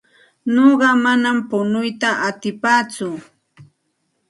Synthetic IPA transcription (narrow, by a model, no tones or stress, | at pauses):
noɢɑmanampʊnʊjt̪aʔat̪ɪpaːt͡sʊ